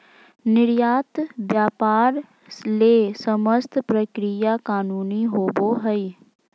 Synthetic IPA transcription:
nɪɾjaːt̪ʋjaːpaːɾ | leːsəməst̪ʰpɾəkɾijakaːnuːniɦoːboɦəi

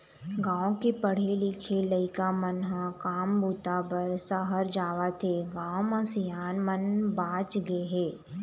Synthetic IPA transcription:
ɡãːõkepəɽ̤elɪkʰeləɪkamənɦãkaːmbuːt̪abəɾsəɦəɾd͡ʒaːʋat̪ʰeɡãːõmãsɪjaːnmənbaːt͡ʃɡəeɦɛː

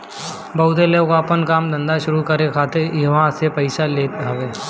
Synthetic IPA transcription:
bɐɦʊt̪eleokapənkaːmd̪ɐ̃nd̪aʃʊɾukɐɾekʰaːt̪ejɐʋãsepɐɪsaleːt̪ɦaʋeː

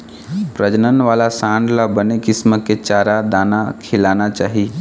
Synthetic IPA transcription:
pɾəd͡ʒnənʋalasãɳɖlabənekisməket͡ʃaɾad̪anakʰilanat͡ʃaːɦi

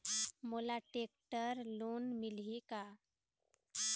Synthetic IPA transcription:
molaʈek̚ʈəɾlonmɪlika

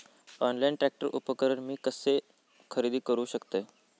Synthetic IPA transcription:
ɔnlaiɳʈɾæk̚ʈəɾʔupəkəɾəɾmiːkəse | kʰəɾid̪iːkəɾuːɕəkt̪e

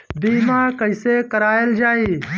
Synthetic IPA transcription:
biːmaːkɐiseːkɐɾaːjeld͡ʒaːiː

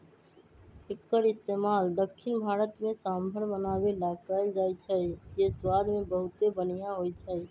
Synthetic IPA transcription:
ɪkːəɾɪst̪eːmaːld̪əkʰːɪnbʱaːɾət̪mẽsãmbʱəɾbənaːbelaːkəld͡ʒaːit͡ʃʰət̪eswaːd̪mẽbəɦʊt̪ebənijãɦoit͡ʃʰəi

